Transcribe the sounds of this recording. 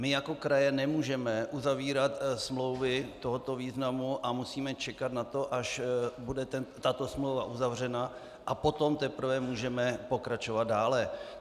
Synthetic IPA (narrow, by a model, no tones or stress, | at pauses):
mɪjako̞kɾajɛnɛmuːʒɛmɛʔuzaviːɾat̪smlo̞wvɪt̪o̞ɦo̞t̪o̞viːznamuʔamusiːmɛt͡ʃɛkat̪nat̪o̞ʔaʃbudɛt̪ɛnt̪at̪o̞smlowvaʔuzavr̝ɛna | ʔapo̞t̪o̞mt̪ɛpɾ̩vɛmuːʒɛmɛpo̞kɾat͡ʃo̞vad̪̚daːlɛ